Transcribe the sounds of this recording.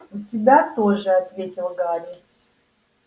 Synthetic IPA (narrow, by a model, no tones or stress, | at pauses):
ʊtʲɪbʲat̪oʐɨɐt̪vʲetʲɪlˠɡaɾʲi